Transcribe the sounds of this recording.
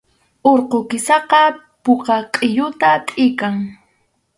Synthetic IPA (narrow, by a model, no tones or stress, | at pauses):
oɾqokɪsɑqɑ | poqɑqʼɪjʊt̪at̪ʼɪkaŋ